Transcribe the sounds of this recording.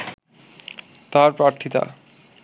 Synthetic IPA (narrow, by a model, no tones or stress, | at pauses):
t̪aɾpɾaɾt̪ʰit̪a̰